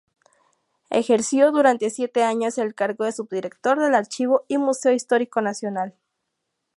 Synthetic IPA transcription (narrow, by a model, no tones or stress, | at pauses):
ḛxe̞ɾsjo̞ðuɾant̪e̞sje̞t̪eaɲo̞se̞lkaɾɣo̞ðe̞subd̪iɾe̞kt̪o̞ɾðe̞laɾt͡ʃiβoimuseoist̪o̞ɾiko̞nasjo̞nal